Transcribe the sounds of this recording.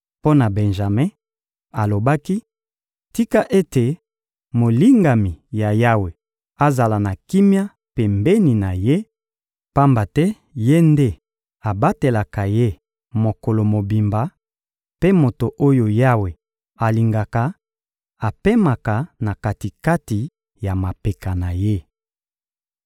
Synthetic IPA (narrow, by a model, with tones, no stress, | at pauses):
po˦na˨bɛ˨nʒa˨mẽ˦ | a˨lo˨ba˦ki˦ | ti˦ka˦ʔe˦te˨ | mo˨li˦ŋɡa˨mi˨ja˨ja˦we˨ | a˨za˨la˨na˨ki˦mja˦ | pe˨mbɛ˦ni˨na˨je˦ | pa˦mba˨tɛ˦ | je˦nde˦ | a˨ba˦te˨la˨ka˨je˦ | mo˨ko˨lo˨mo˨bi˨mba˨ | pe˦mo˨to˨ʔo˦jo˨ja˦we˨ | a˨li˨ŋɡa˨ka˨ | a˨pe˦ma˨ka˨na˨ka˨ti˨ka˦ti˨ | ja˨ma˨pe˨ka˨na˨je˦